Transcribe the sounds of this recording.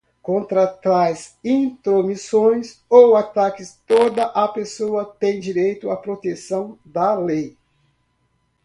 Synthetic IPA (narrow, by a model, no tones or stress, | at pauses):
kõnt̪ɾat̪ɾazĩt̪ɾomisõj̃sowat̪akɪst̪od̪ɐʔɐpesoɐt̪ẽj̃d͡ʒiɾejt̪ʊapɾot̪esɐ̃w̃d̪ɐlej